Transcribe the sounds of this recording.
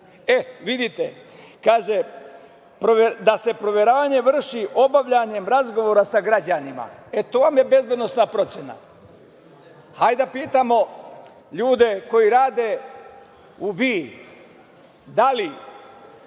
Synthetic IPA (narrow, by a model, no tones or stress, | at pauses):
eʋid̪it̪e | kaːʒe | pɾoʋed̪ase̞pɾo̞ʋjeɾaːʋaɲe̞ʋr̩ʃiʔo̞baʋʎaɲe̞mɾazɡo̞ʋo̞ːɾasaɡɾad͡ʑanima̰et̪oʋamje̞be̞zbje̞d̪no̞snapɾo̞t̪sjena̰ | hajd̪apiːt̪amo̞ | ʎuːd̪e̞ko̞jiɾaːd̪e | uʋiː | d̪ali